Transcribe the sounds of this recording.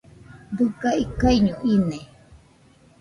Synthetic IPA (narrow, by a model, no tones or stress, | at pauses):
d̪ukaikaiɲũʔinẽ